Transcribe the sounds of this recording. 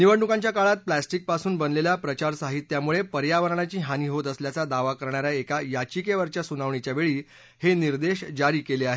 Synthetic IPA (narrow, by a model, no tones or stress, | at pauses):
niʋəɳɳukãɲt͡ɕjakaɭat̪̚plasʈik̚pasuːnbənlelapɾət͡ɕaɾsaɦit̪ːjamuɭepəɾjaʋəɾɳat͡ɕiːɦaniːɦot̪əsljat͡sad̪aʋakəɾɳaɾjaekajat͡ɕikeʋəɾt͡ɕjasunaʋɳit͡ɕjaʋeɭiː | heniɾd̪eɕd͡ʑaɾiːkeleaɦe